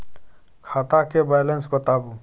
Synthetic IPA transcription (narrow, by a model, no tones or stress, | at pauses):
kʰaːt̪akebajlənsbət̪aːbu